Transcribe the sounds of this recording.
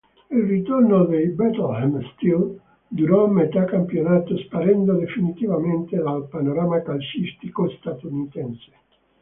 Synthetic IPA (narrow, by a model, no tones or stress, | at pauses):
ilrit̪ornod̪ejbɛt̪lhɛmst̪il | d̪uɾɔmːet̪akampjonaːt̪ospaɾɛnd̪od̪efinit̪ivament̪ed̪alpanoɾaːmakalsist̪ikost̪at̪unit̪ɛnse̥